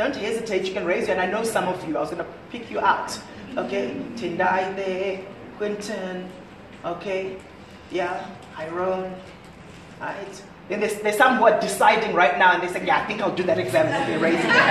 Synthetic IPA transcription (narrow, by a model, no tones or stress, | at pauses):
d̥õʊ̃nthɛzɨtʰeɪtjɨkɨ̃nɹeɪzjɨɨ̃naɪnoʊsʌ̃mʌvjɨaɪwʌzɡʌnəpʰɪkʰjɨʔaʊt | oʊkʰeɪtʰɪ̃ndaɪðɛ | kʰw̥ɪ̃ntʰɨ̃n | ʔoʊkʰeɪ | jæ | haɪɹõn | ɹa̰ɪt | ðɨ̃nðə˞zðə̥˞sʌ̃mwʌt̚d̥ɪsaɪdɪ̃ŋɹaɪtⁿnaʊə̃nðeseɪ̃ŋjaaɪθɪ̃ŋkaɪlˠdɨðæɾɨɡzæ̃mnɨðəɹeɪzɪ̃ŋj